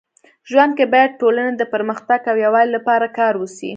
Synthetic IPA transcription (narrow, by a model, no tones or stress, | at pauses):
ʒwand̪̚kebɑjad̪̚ʈolaned̪əpəɾməxt̪aɡawjawɑjlːapɑɾakɑɾwəsḭ